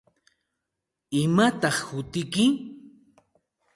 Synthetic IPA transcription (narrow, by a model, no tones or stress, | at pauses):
ɪmat̪ɑχhʊt̪ɪkɪ